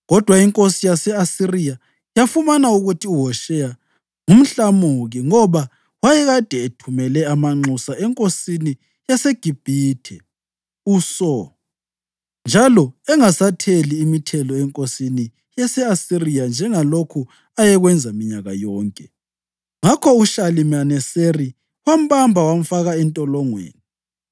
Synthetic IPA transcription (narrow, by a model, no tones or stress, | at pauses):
ɣɔd̥ʱwaiŋkʼosijasɛasirija | jafumanauɣutʰiuɦɔʃɛja | ŋum̩ɬamoɣiŋɔβa | wajɛɣad̥ʱɛetʰumɛlɛamaŋ͡ǃusaʔɛŋkʼosini | jaseɡ̥ʱib̥ʱiːtʰɛ | usɔ | nd͡ʒʱalɔɛŋasatʰeliːmitʰɛlɔɛŋkʼosini | jasɛasirijand͡ʒʱɛŋalokʰu | ajɛɣwɛnd͡zʱamiɲaɣa̰jɔːŋkʼɛ | ŋakʰɔuʃalimanɛseri | wam̩bambʱawam̩faɣaɛntʼɔlɔŋwḛːni